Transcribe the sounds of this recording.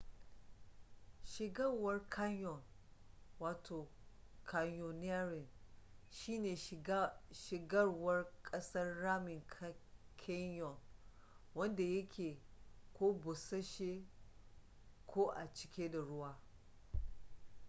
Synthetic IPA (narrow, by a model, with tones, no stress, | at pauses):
ʃɪ˨ɡɐ˦rwɐ˦rkʰa˦ɲjɔ˨n | waː˨tʰoː˨ | kʰa˨ɲjɔ˨nɪ˦a˦ɾɪ˨nʃiː˦neː˨ | ʃɪ˨ɡɐ˦rwɐ˦rkʼɐ˦sɐ˦rːaː˦mɪ˨ŋkkʰɪ˦njɔ˨n | wɐ˦nda˨jɐ˦kʲʰeː˨kʷoː˦bʊ˨sɐ˦ʃe˦ | kʷʰoː˦ʔa˨t͡ʃɪ̥˦kʲeː˦da˨ɽʊ˦waː˦